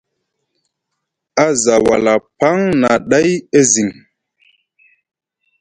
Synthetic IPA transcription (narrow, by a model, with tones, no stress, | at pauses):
a˦za˨wa˨la˨pa˦ŋna˨ɗa˦je˦zi˨ŋ